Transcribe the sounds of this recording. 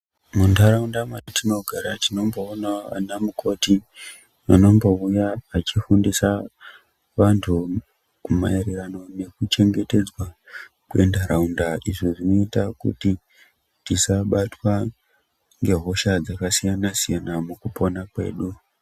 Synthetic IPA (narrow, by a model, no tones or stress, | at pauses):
mundʱaɾaundamatino̞ɡʱaɾatino̞mbo̞ːnaʋa̰namukʰo̞ti | ano̞mbo̞ujaːt͡ʃifundisa | ʋantʰu | kuma̰eɾerano̞ne̞kut͡ʃe̞ŋɡe̞te̞d͡zwa | kue̞ndaɾaundaʔiʐiʐino̞itakṵti | tisaɓatwa | ŋɡe̞ɦo̞ʃad͡zakasijanasijanamukupo̞nakwe̞̰ːɗu